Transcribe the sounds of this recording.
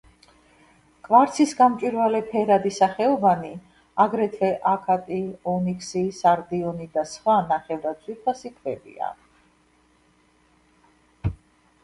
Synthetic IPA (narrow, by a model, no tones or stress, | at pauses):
kʼvaɾt̪sʰisɡamt͡ʃʼiɾvalɛpʰɛɾad̪isaχɛɔvani | aɡɾɛt̪ʰvɛʔakʰat̪ʼiɔnikʰsisaɾd̪iɔnid̪asχwanaχɛvd̪asʰʼwiɾpʰasikʰvɛbḭa̰